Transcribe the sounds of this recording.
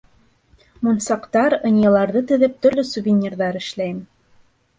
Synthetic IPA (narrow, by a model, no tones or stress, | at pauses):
munsɑqt̪ɑɾɤ̆nʲjɤ̆lˠɑɾðɤt̪ɵ̆ðɘp̚t̪ɵ̆ɾlɵsuvʲɪnʲirðɑɾɘ̆ʃlæjɘm